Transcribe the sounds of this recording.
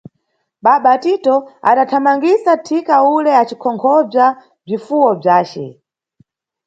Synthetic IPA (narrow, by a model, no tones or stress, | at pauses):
ɓaɓatitɔa̰ɗatʰamaŋɡisatʰikaulɛat͡ʃikʰɔŋkʰɔb͡ʐa | b͡ʐifuwɔb͡ʐaːt͡ʃɛ̰